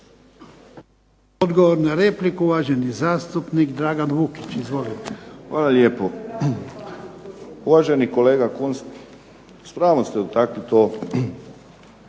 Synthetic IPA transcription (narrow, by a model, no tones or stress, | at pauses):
od̪ɡoʋoɾnaɾeːplikuʋaːʒenizaːst̪upnikd̪ɾaːɡanʋukit͡ʃizʋolit̪e̥xʋaːlaljeːpo | uʋaʒenikoleːɡakuns | spɾaːʋost̪ɛut̪akʋit̪oː